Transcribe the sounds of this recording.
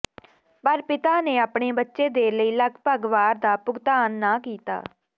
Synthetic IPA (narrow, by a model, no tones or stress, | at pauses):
pəɾpɪt̪aːneːaːpɳeːbətːʃeːd̪eːləiːləkʰpəɡʋaːɾd̪aːpʊɡt̪aːnːaːkiːt̪a̰ː